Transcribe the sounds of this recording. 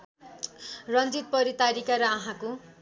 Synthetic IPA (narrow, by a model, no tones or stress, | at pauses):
rʌnd͡zit̪̚pʌɾit̪aɾikaɾʌʌɦãko